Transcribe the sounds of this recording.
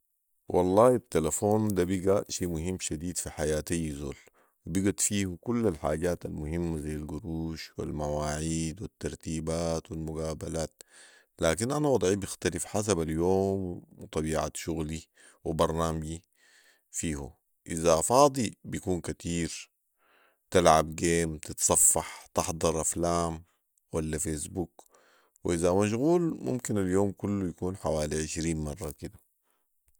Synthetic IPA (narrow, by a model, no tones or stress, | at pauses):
wʔɑ̰lˤːɑːit̪ːelafoːnd̪abiɡaʃeːʔmuhimːʃad̪iːd̪fiħajaːt̪ajzo̰ːl | wibiɡat̪fiːhukulːalħaːɟaːt̪almʊhimːazajːalɡuɾuːʃwḭlmawaːʕiːd̪wit̪ːɑɾˤt̪iːbaːt̪wilmuɡaːbalaːt̪̚ | laːkinʔanawɑd̪ˤʕibixt̪alifħas̬abaljoːmt̪ˤɑbiːʕa̰t̪ʃuɣli | wɪbɑɾˤnaːmɡi | fiːhṵ | ʔɪzafɑːd̪ˤibijakuːnkat̪iːɾ | t̪ɪlʕabɡeːmt̪ɪt̪sˤɑfːɑħt̪ɪħd̪ˤɑɾˤʔaflaːm | walːafeːsbuk | wʔɪzamaʃ̬ɣuːlmʊ̰mkinaljoːmkʊlːujakuːnħawaːliʕɪʃɾiːnmɑrˤːɑkɪd̪a